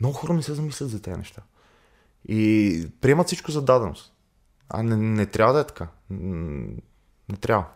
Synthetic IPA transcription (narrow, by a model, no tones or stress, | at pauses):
mnɔɡʊxɔɾənɛsɛzɐmislʲɐt̪zɐt̪ɛə̰nɛ̰ʃt̪a | ipɾiɛmət̪sit͡ʃkʊzɐd̪ad̪ɛno̰st̪ | a̰nɛnɛt̪ɾʲjavəd̪ɐɛt̪ɐ̥ka | nɛt̪ɾʲavə